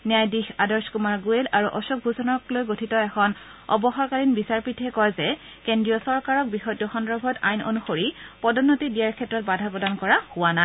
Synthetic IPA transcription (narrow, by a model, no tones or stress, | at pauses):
niajdixadɔɹskumaɹɡuelaɹuʔɔsuk̚bʱuzɔnɔklojɡotʰitɔɛxʰɔn | ɔ̰bɔxɔɹkaɹinbisaɹpitɦɛkɔjzɛ | kendɹijɔsɔɹkaɹɔk̚bixɔjtjɔxɔndɹɔbʱɔta̰jno̰nuxoɹipɔdɔnːotidijaɹkʰɛtːɹɔt̚badʱapɹɔdankɔɹahʊwana